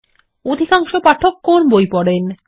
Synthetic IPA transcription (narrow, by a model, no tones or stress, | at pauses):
od̪ʱikaŋʃopaʈʰokːonbojpɔɽen